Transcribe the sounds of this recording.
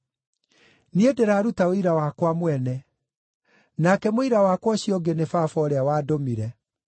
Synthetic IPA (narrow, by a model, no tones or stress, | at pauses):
niedeɾaːɾutaoiɾawakwamwɛnɛ | nakɛmoiɾawakwaɕjɔɡenefafɔɾeawaːdomiɾɛ